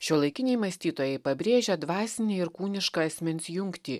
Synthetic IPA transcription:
ʃʲoːlˠɐɪkʲɪnʲɛɪmɐsʲt̪ʲiːt̪oːjɛɪpɐbʲɾʲeːʒʲɛd̪ʋɑːsʲɪnʲeɪɾkuːnʲɪʃkɐɐsʲmʲɛnʲsʲjʊŋkt̪ʲiː

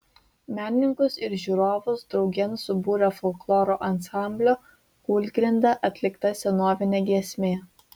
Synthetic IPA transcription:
mʲæːnʲɪnʲɪŋkʊsɪɾʒʲuːɾoːʋʊsd̪ɾɒʊɡʲɛnsʊbuːɾʲɐfɔlʲklˠoːɾoʔɐnsɑˑmʲbʲlʲoː | kuːlʲɡɾʲɪnd̪ɐʔɐt̪ʲlʲɪkt̪ɐsʲɛnoːʋʲɪnʲeːɡʲiɛsʲmʲeː

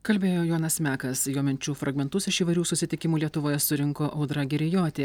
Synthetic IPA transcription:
kɐlʲbʲeːjoːjoːnɐsmʲæːkɐsjoːmʲɛnʲt͡ʃʲuːfɾɐɡmʲɛnt̪ʊsɪʃiːʋɐɪɾʲuːsʊsʲɪt̪ʲɪkʲɪmuːlʲiɛt̪ʊʋoːjɛsʊɾʲɪŋkoːʔɐʊd̪ɾɐɡʲɪɾʲɪjoːt̪ʲeː

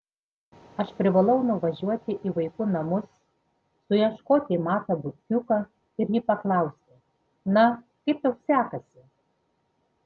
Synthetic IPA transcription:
ɐʃpʲɾʲɪʋɐlˠɐʊnʊʋɐʒʲuɔt̪ʲɪʔiʋɐɪkʊnɐmʊs | sʊjɛʃkoːt̪ʲɪmɑːt̪ɐbʊt̪ʲk̪ʲʊkɐ | ɪɾjiːpɐklˠɐˑʊsʲɪ | nɐ | kɐɪpjɛʊsʲæːkɐsʲɪ

